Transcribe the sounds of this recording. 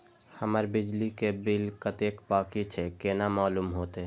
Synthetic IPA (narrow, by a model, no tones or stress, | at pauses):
həməɾbɪd͡ʒlikebɪlkət̪ekpaːkit͡ʃʰɛkeːnamaːlumɦoːt̪e